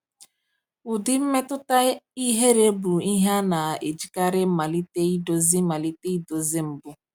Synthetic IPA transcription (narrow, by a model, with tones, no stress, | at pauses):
ʊ˨dɪ˦m̩˦me˦tʊ˦ta˦i˦ɦe˦ɾe˦bu˨i˦ɦa˦na˨e˨d͡ʒi˨ka˦ɾɪ˦ma˨li˦te˦i˦do˨zɪ˦ma˨li˦te˦i˦do˨zɪ˦m̩˨bʊ˦